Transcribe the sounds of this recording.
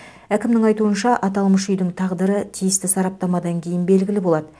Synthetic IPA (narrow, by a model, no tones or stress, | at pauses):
ækʲɪmd̪ɪŋɑjt̪uənʃɑʔɑt̪ɑlˠməʃʏjd̪ɪŋt̪ʰɑʁd̪əɾət̪ʰijɪst̪ɪsɑɾɑp̚t̪ɑmɑd̪ɑŋkʲʰe̞jɪnbe̞lɡʲɪlɪbo̞lˠɑd̪ə